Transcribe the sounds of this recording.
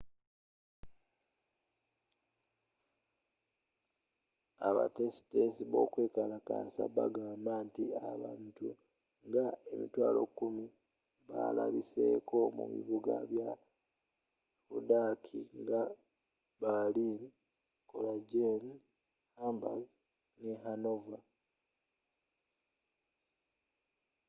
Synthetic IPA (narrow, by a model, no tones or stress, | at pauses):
aβa̰te̞si̥tesiβo̞kwe̞ːkalaka̰ːsaβaɡaːmbantiaβa̰ːntu | ŋɡae̞mitwaːlo̞̰kːumi | βalaβise̞̰ːko̞mṵβḭβuɡaβja | fudakʰiŋɡa | balin | kolaɟen | hamba̰l | neɦanova